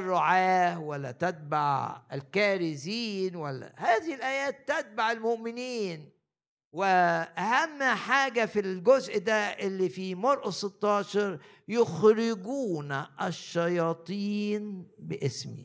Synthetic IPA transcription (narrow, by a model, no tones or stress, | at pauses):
rˤːoʕaːhwælːæ̰t̪æt̪̚baʕɪlkæːɾɪziːnwælːæ̰hæːðɪhɪlʔæːjæːt̪ːæt̪̚baʕɪlmoʔmɪniːn | wɪʔæhæmːħaːɡæfilɡozʔd̪æʔɪlːifimɑɾˤʔɑsˤet̪ːɑːʃɑɾˤ | joxɾɪɡuːnʔæʃːɑjɑːt̪ˤiːnbɪʔɪsmḭ